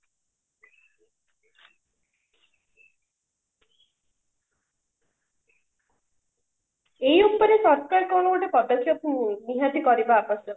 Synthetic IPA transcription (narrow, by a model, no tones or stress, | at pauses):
eiupːɔɾesɔɾkakɔlɔuʈepɔd̪ːakjɔniɦat̪ikɔɾibaːbɔsjɔ